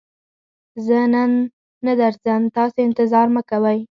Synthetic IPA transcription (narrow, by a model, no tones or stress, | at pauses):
zənanː | ad̪aɾzəmt̪ɑseɪnt̪ɪzɑɾməkawəj